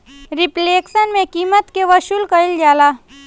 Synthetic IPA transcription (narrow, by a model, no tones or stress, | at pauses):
ɾɪpleːksənmẽkiːmət̪keʋəʃulkɐɪld͡ʒaːlaː